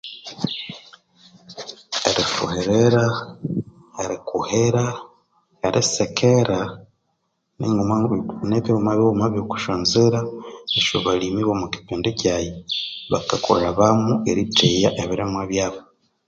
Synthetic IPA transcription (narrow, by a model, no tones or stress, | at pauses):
ḛɾifṵheɾeɾa | eɾikuheɾa | eɾʔisekʰeɾa | neŋneβiumaβoumaβjoku̥ʃoːnzeɾaeʃo̰βalimiβomuki̥peːndecajeβa̰kako̰ɾaβamuḛɾitejaʔeβiɾemweβjaːβo